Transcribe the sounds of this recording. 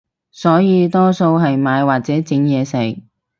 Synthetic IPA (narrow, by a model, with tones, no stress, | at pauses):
sɔː˨˥jiː˨˧t̪ɔː˥so˧wɦɐ˨jmaː˨˧jwaː˨k̚t͡sɛː˨˥t͡sɪ˨˥ŋjɛː˨˧sɪ˨˩k̚